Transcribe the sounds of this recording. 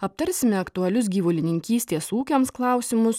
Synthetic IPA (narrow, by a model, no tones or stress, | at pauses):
ɐp̚t̪ɐɾʲsʲɪmʲɛɐkt̪ʊɐlʲʊs̬ɡʲiːʋʊlʲɪnʲɪŋʲkʲiːsʲt̪ʲeːsuːkʲoːmsklˠɑˑʊsʲɪmʊs